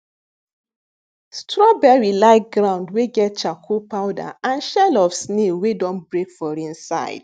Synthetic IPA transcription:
stɹɔbɛɹilaɪk̚ɡɹãʊ̃ndweɡɛt̚t͡ʃakʰopaʊda̰ãnʃɛlɔfsnewedɔ̃nbɹekfɔɹĩnsa̰ɪd̥

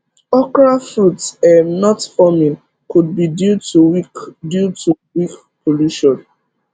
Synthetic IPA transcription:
ɔkɹafɹutɛnɔtfɔmĩn | kud̚bidjutuwikdjutuwik | pʰoluʃɔ̃n

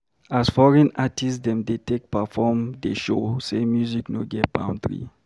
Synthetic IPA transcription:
asfɔɹɛ̃natʰisdɛ̃mdetek̚pafɔmdeʃosemjuzikno̰ɡɛt̚b̥ã̰ʊ̃ntɹḭ

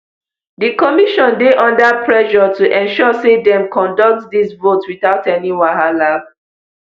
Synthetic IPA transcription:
dikɔmiʃɔ̃ndeʔɔ̃ndapɹɛʃɔtuʔɛ̃nʃɔsedɛ̃mkɔ̃ndɔk̚tdisvotwiθaʊtɛniwaɦalaf

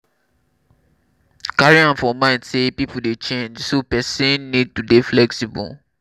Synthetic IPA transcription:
kaɹiãnfɔmãɪ̃dsepipuldet͡ʃẽnd͡ʒsopɛsɛ̃nːid̚tudeflɛksibɔ̰l

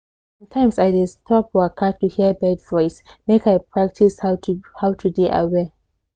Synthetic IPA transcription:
sãmtʰãɪ̃msajdɪstʰɔpəkʰatːuhibɛdvɔɪs | mekajpʰɹak̚tʰishhaʊwtʰudiʔa̰wɛ

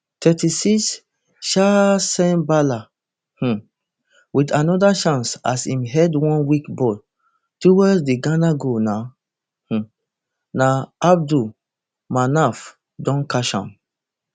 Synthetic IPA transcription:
tʰɛtisis | ʃasɛ̃nbala | h̩ | witanɔdaʃãnsa̰sĩmɦɛdwɔ̃nwikbɔ | tuwɛsdeɡãnaɡona | h̩ | naab̚du | manaf | dɔ̃nkaʃã̰m

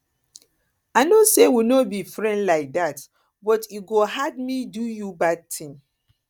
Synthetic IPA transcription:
aɪnosewinɔt̚bifɹɛ̃ndlaɪk̚dat | bɔtiɡoɦad̚midujubad̚tʰĩŋ

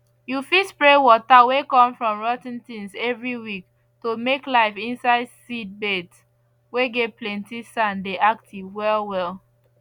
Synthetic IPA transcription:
jufispɹewɔtawekɔ̃mfɹɔ̃mɹɔtĩntĩnsɛvɹiwik | tomeklaɪfĩnsaɪdsid̚bets | weɡɛt̚plɛ̃ntisãndeʔaktʰivwɛlˠwɛlˠ

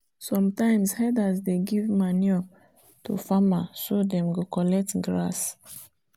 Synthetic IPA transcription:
sɔ̃mtãɪ̃mshɛdasdeɡivmaniɔ | tṵfamasodɛ̃mɡokɔlɛk̚tɡɹa̰s

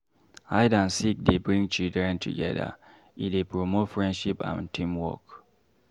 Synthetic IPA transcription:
haɪdãnsik̚debɹĩŋt͡ʃildɹɛ̃ntʰṵɡɛ̰də̰ | idepɹomotfɹɛ̃ndʃipã̰ntʰĩmwɔ̰k

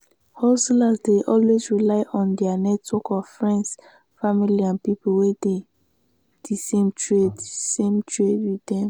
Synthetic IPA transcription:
hɔstilazdeʔɔlwezɹilaɪʔɔ̃ndɛanɛtwɔkɔfɹɛ̃nds | familiãnpipuwede | d̥isẽmtʰɹedsẽmtɹedwidɛ̃m

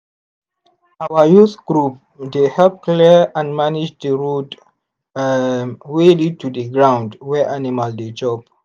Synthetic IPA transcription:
awəjuθɡ̥ɹup̚ | dehɛlp̚kliãnmanid͡ʒdəɹud | welid̚tʰudəɡɹãw̃ndwɛʔanimalded͡ʒɔb

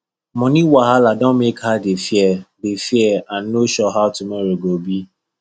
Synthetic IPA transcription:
mɔ̃niwaɦaladɔ̃nmekhadefjɛdefiɛãnːoʃɔɦaʊtumɔɾoɡobi

